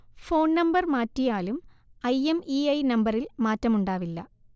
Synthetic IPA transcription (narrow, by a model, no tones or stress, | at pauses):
fo̞ːnnɐmbɐrmaːtːijaːlum | ɐjemiɐjnɐmbɐrilmaːtːɐmuɳɖaːʋilːɐ